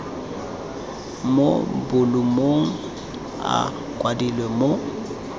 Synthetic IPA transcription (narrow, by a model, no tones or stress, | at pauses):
mobʊlumoŋ̩ | a̰ | kʼwadilwɛmo